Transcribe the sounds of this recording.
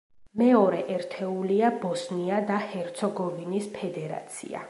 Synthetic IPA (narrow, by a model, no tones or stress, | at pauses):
mɛɔɾɛʔɛɾt̪ʰɛuliabɔsniad̪ahɛɾt̪sʰɔɡɔvinispʰɛd̪ɛɾa̰t̪sʰḭa̰